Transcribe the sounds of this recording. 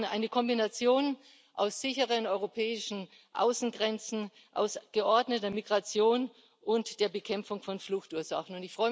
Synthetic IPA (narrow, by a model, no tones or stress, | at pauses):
nʔaɪnəkʰɔmbinat͡sjoːn | ʔaʊsz̥ɪçəʁənɔʏʁopʰɛːɪʃn̩ | ʔa̰ʊsn̩ɡʁɛnt͡sn̩ | ʔa̰ʊsɡ̥əʔɔɐdnətɐmiɡʁat͡sjoːn | ʔʊntd̥eːɐbəkʰɛmfʊŋfɔnflʊxtuːɐza̰χn̩ʊntɪçfʁ̥ɔʏ